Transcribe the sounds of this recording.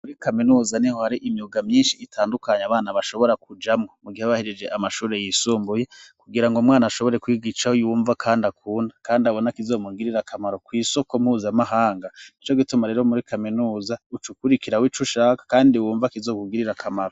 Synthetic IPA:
muɾikaminuːzanihohaɾiʔimjuɡamɲiːnʃiːtʰaːndukaɲaβaːnaβaʃo̞βo̞ɾak̚ud͡ʒamŋo̞muɡihaβahiɾid͡ʒe̞ʔamaʃuːɾe̞jisuːmbuje̞kuɡiɾaŋɡomŋaːnaʃoβo̞ɾe̞kwiɡiʃahojuːɱvakʰaːndakʰuːndakaːndaβo̞nakizo̞ːmuɡiɾiɾakʰamaɾo̞kwiːso̞ko̞mhuzamaɦaːŋɡanit͡ʃo̞ɡitumaɾe̞ːɾo̞muɾikaminuːzaut͡ʃukuɾikiɾawit͡ʃuʃaːkḁkaːndiwuːɱvakizo̞ːkuɡiɾiɾakʰamaɾo

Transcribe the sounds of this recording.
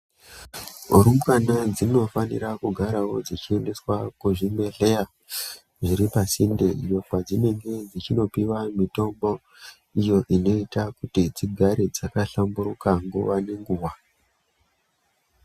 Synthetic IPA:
uɾumɡwanad͡zino̞fanḭrakuɡʱaɾawo̞d͡zit͡ʃiende̞swakuʐimbe̞ɮeja | ʐiɾipasindeijo̞kwad͡zine̞ŋɡe̞d͡zit͡ʃino̞piwamito̞mbo̞ | ijo̞ʔino̞itakutid͡ziɡʱaɾed͡zakaɬambuɾukaŋɡṵʋane̞ŋɡuwa

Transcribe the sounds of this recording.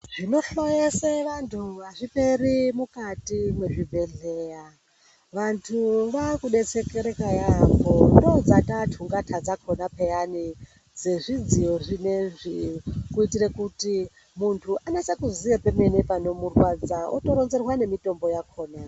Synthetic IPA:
ʐ̥ino̞ɬojeseʋantʰuaʐipe̞ɾimukatimwe̞ʐibʱe̞ɮeːja | ʋantʰuʋakuɗet͡se̞keɾe̞kajakondo̞d͡zatatʰuŋɡatʰad͡zakʰonapejani | d͡ze̞ʐid͡zijo̞ʐineʐikuitirekuti | muntʰuʔanesekuzijapeme̞nepano̞murwad͡zao̰to̞ɾonze̞rwane̞mito̞mbo̞jakʰo̞ːna

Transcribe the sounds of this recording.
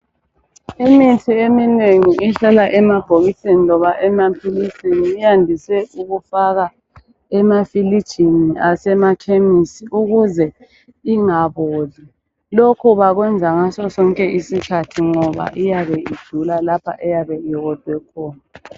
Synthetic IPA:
imitʰiemineŋiʔɛɬalaʔɛmab̥ʱoɣisenilɔβaʔɛmapʰilisiniːjandʱisɛuɣufaɣa | ɛmafilid̥ʒ̥ʱiniasɛmakʰemisiuɣuzɛ | iŋaβoːzi | lokʰuβaɣwɛnd͡zʱaŋasɔsɔŋkʼɛisikʰatʰiŋɔβa̰ʔijaβɛid̥ʒ̥ʱulalapʰa̰ʔɛjaβɛiɣɔd̥ʱwɛkʰɔːna

